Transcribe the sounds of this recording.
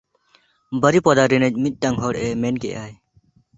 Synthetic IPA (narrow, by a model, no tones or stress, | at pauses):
bəɾipɔd̪aɾinəc̚ˀmit̪̚ˀʈaŋɦɔɽɛmɛnkɛʔaːj